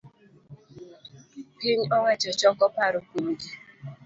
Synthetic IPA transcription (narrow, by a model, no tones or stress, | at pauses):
kiɲɔŋʷɛt͡ʃɔt͡ʃɔkɔpaɾʊkuɾd͡ʒi